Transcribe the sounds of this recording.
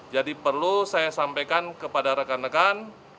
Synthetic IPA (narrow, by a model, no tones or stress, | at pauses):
d͡ʒadipərlusajasampajkankəpadaɾəkanəkan